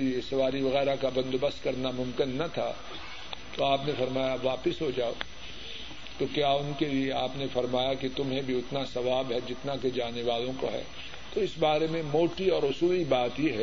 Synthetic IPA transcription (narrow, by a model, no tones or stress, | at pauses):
liesɐʋaːɾiʋɐɣɛːɾakabɐ̃nd̪obɐst̪kɐɾnamʊ̃mkɪnːɐt̪ʰa̰ | t̪oaːpnefɐɾmaːjaʋaːpɪsɦod͡ʒaːo̰ː | t̪okjaːʊnkelieaːpnefɐɾmaːjakit̪ʊmɦẽbʱiʊt̪nasɐʋaːbɦɛd͡ʒɪt̪naked͡ʒaːneʋaːlõko̰ɦɛ̰ː | t̪oɪsbaːɾemẽmoːʈiɔːɾʊsuːlibaːt̪jiɦɛ